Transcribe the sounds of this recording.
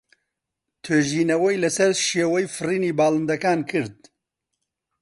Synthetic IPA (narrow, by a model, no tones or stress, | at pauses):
t̪ʰøːʒiːnɐwɛjlɐsɐɾʃeːwɛjfɨriːniːbaːlˠɨnd̪ɐkaːnkʰɨɾd̪̚